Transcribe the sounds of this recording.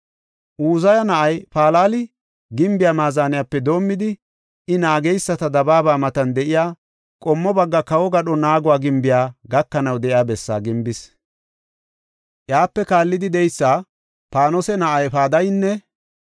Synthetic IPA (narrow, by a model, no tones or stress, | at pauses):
ʔuːzɐjɐnɐʔɐjpaːlaːlɪ | ɡɪmbɪjaːmaːzaːnɪjaːpːɛd̪o̞ːmːɪd̪ɪ | ʔɪnaːɡɛjsːɐt̪ɐd̪ɐbaːbaːmɐt̪ɐnd̪ɛʔɪjaː | kʼɔmːɔbɐɡːɐkɐwɔɡɐɗɔnaːɡʊwaːɡɪmbɪjaːɡɐkːɐnɐwd̪ɛʔɪjaːbɛsːa̰ːɡɪmbɪs | ʔjaːpːɛkaːlːɪd̪ɪd̪ɛjsːaː | paːnɔsɛnɐʔɐjpaːd̪ɐjnːɛ